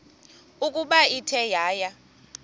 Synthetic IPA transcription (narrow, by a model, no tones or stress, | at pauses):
ukʼuɓaitʰɛjaːja